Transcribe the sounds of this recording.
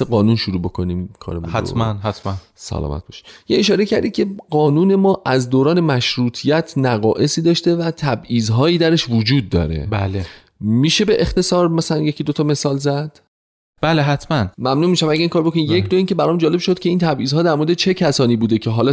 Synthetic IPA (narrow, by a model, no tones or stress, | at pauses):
eɣɒːnunʃuɾuːbo̞kʰo̞niːmkʰɒ̰ːɾemṵnhæmænhæt̪ʰmæn | sæ̰lɒ̰ːmæ̰t̪̚bɒʃi̥jeeʃɒːɾecʰæɾd̪ikʲʰe̞ɢɒːnuːne̞mɒːʔæzd̪oːɾɒːne̞mæʃɾuːt̪ʰijæt̪ʰnæɣɒːʔe̞siːd̪ɒːʃt̪e̞væt̪ʰæbʔiːzɦɒːjiːd̪æɾe̞ʃvod͡ʒuːd̪̚ːɒ̰ːɾe̞̰bæle | miːʃe̞be̞ʔext̪e̞sɒːɾmæsælænje̞cʰiːd̪ot̪ʰɒme̞sɒːlzæd̪̥ | b̥æleɦæt̪ʰmænmæmnuːmiʃæmæɟʲæiŋkɒːɾobokonimjekd̪oiːncʰe̞bæɾɒːmd͡ʒɒːle̞bʃod̪̥kʰʲe̞iːnt̪ʰæbʔiːzhɒːd̪æɾmoɾed̪et͡ʃʰe̞cʰæsɒːniːbuːd̪e̞cʰe̞ɦɒːlɒ